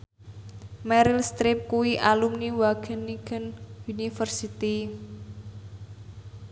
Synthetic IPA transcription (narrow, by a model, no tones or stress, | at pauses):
mɛɾɪlst̪ɾɪp̚kuwiʔalumniwaɡ̥əniɡənunifərsit̪i